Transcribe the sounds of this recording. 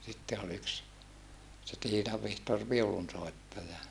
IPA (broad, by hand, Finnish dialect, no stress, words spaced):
sitːe ol yks se tiːnɑʋ ʋihtor ʋiulunsoˑetːɑjɑ